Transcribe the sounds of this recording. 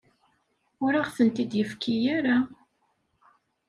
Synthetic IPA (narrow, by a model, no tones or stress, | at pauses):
ʊɾaʁθənt̪id̪jəfkʰijaɾa